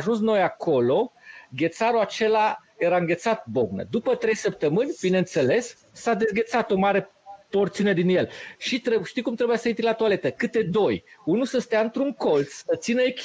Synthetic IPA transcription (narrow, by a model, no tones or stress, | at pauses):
ʒunsno̞jakʰo̞lo̞ɡʲe̞t̪saɾuat͡ʃe̞laje̞ɾaɨŋɡʲe̞t̪sat̪̚bo̞ɡnə̰d̪upət̪ɾe̞jsəp̚t̪əmɨnʲb̥ineɨnt̪se̞le̞s | sad̪e̞zɡʲe̞t̪sat̪o̞maɾe̞ | po̞rt̪sined̪inje̞lʃit̪ɾeʃt̪ijkumt̪ɾe̞bujasəit̪ilat̪uale̞t̪əkɨt̪e̞d̪o̞junusəst̪eaɨnt̪ɾuŋko̞lt̪ssət̪sinəekʲ